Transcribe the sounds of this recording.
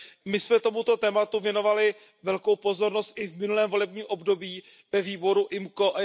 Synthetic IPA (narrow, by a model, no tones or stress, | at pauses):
mɪsmɛt̪o̞mut̪o̞t̪ɛːmat̪uvjɛno̞valɪ | vɛlko̞wpo̞zo̞ɾno̞st̪̚ʔɪvmɪnulɛːmvo̞lɛb̚ɲiːmʔo̞bdo̞biː | vɛviːbo̞ɾuʔɪmko̞ʔa